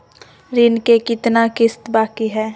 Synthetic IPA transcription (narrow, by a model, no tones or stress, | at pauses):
ɾɪnkekɪt̪nakɪst̪baːkiɦɛː